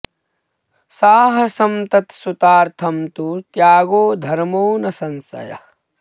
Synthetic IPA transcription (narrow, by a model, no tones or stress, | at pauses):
saːɦɐsɐmt̪ɐt̪sut̪aːɾt̪ʰɐmt̪ut̪jaːɡoːd̪ʱɐɾmoːnɐsɐnsɐ̰jɐ̰